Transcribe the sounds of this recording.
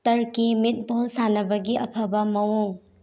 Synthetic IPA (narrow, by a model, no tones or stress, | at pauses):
tɐɾkimit̚bolsanɐbɐɡiʔɐpʰɐbɐmɐwuŋ